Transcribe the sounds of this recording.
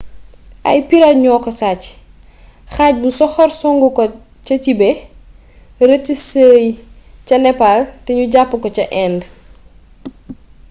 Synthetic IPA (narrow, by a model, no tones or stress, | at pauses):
ʔɐ̰jpiɾatɲɔːkɔsaːc | xaːc̚busɔxɔrsɔŋɡukɔ | cɐcibɛ | rətisəːj | cɐnɛpaltɛɲuɟapːəkɔcɐʔɛːnd